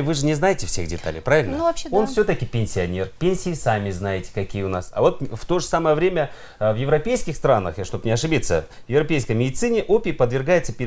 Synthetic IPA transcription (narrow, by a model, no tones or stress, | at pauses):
vɨʐɨnʲɪznajɪtʲɪfsʲḛxdʲɪt̪a̰lʲɪ̰jpɾavɪlʲno̞nfsʲɵt̪əkʲɪpʲɪnʲsʲɪɐnʲerpʲenʲsʲɪjɪsamʲɪznajɪtʲɪ̥kɐkʲijəʊnasɐ̰vo̞t̪̚ft̪o̞ʐɨsaməjəvɾʲemʲə | vjɪvɾɐpʲejskʲɪxst̪ɾanːə̰xjaʂt̪o̞pnʲɪɐʂɨbʲit̪sə̰ | vjɪvrɐpʲejskəjmʲɪdʲɪt̪sɨnʲɪʔopʲɪpəd̪vʲɪrɡajɪt̪səpʲ